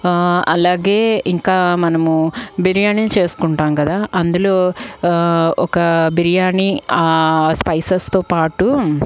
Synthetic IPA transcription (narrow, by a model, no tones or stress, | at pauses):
ɐlaːɡe̞ːiŋkaːmɐnɐmubiɾijaːninit͡ʃe̞ːsu̥kuɳʈaːmkɐd̪aːʔɐnd̪ulo̞ː | ɔkɐbiɾijaːɳiaːspɐjsɐst̪o̞ːpaːʈu